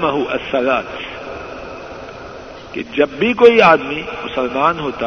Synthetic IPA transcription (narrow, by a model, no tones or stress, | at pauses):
mɐɦuʔɐ̰sːɐlaːt̪ | kḛd͡ʒɐbːikoːiaːd̪mimʊsɐlmaːnɦoːt̪a